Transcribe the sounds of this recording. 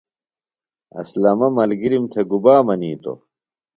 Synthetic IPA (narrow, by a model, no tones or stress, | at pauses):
ɐ̰slɐmɐmɐlɡiɾimt̪ʰeɡubaːmɐniːt̪o̰